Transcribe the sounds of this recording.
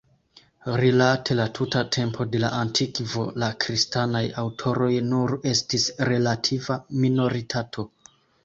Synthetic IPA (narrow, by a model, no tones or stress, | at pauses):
ɾilatʰe̞latʰutatʰe̞mpʰo̞de̞la̰ʔantʰikvo̞lakɾistanajawtʰo̞ɾo̞jnuɾe̞stisɾe̞latʰivamino̞ɾitʰatʰo̞